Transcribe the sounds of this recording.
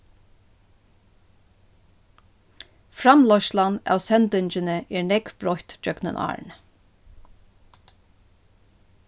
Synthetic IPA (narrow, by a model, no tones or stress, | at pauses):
fɹamlɔʃlanæ̰ːwsɛnt̪ʏnt͡ʃɪnəʔɛɹnɛkbɹɔht̪d͡ʒœknə̰nʔɑ̰ːɹɳ